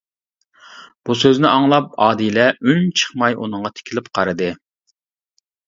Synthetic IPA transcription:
b̥usøznɪʔɑŋlˠɑp̚ɑːd̪ilɛynt͡ʃʰə̥χmɑjʔṵnɨŋʁɑt̪ʰɪ̥kʲʰilɪpqʰɑɾɨd̪ɨ

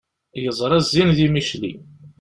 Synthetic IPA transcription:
jəzˤɾˤæzːinðimiʃlḭ

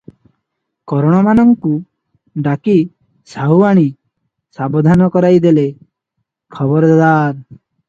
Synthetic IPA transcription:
kɔɾɔɽ̃ɔmanɔŋku | ɖaki | saɦuaɽ̃i | sabɔd̪ʱanɔkɔɾajd̪ele | kʰɔbɔɾɔd̪ad̪aɾ

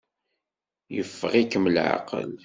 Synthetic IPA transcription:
jəfːəʁikəmlʕa̰qə̰l

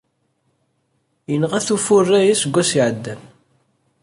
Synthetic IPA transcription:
jənəʁæθufʊrːæjæsəɡʷːæsiʕəd̪ːæn

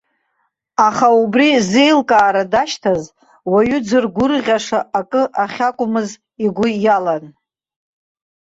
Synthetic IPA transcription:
aχaubrize̞jlkʼaːɾadaʃtʰaz | waɥʏd͡zɨrɡʷʊrʁʲaʂaʔakʼɨʔaχʲakʷʼʊmɨz | iɡʷʊjalan

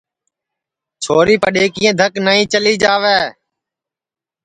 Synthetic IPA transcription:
t͡ʃʰoːɾiːpəɗeːkɪjẽːd̪ʱəknəːĩːt͡ʃəliːd͡ʒaːʋeː

